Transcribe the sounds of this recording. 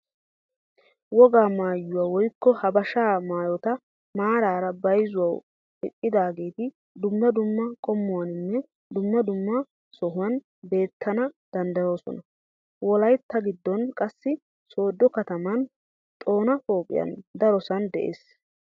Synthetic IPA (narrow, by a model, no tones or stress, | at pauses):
wɔɡaːmaːjːʊwaːwɔjkːɔhɐbɐʃaːmaːjɔt̪ɐ | maːɾaːɾɐbɐjzʊwɐw | ɪʔʼːɪd̪aːɡe̞ːt̪ɪ | d̪ʊmːɐd̪ʊmːɐkʼɔmːʊwɐnɪnːɛ | d̪ʊmːɐd̪ʊmːɐ | sɔɦʊwɐn | be̞ːt̪ʰːɐnɐd̪̥ɐnd̪ɐjo̞ːsɔ̰nɐ | wɔlɐjt̪ːɐɡɪd̪ːɔnkʼɐsːɪ | so̞ːd̪ːɔkɐt̪ɐmɐn | t̪ʼo̞ːnɐfo̞ːpʼɪ̰jɐ̰nd̪ɐɾɔsɐnd̪ɛʔḛːs